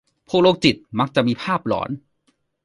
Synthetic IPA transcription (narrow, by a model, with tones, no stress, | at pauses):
pʰu˥˩k̚loː˥˩k̚t͡ɕi˨˩t̪̚ma˦˥k̚t͡ɕa˨˩ʔ̚miː˧pʰaː˥˩p̚lɔ̰ː˩˦n